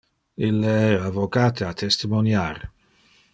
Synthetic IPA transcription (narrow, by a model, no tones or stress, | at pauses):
ilːeɛavokaːt̪ʰeat̪ʰɛst̪imonjar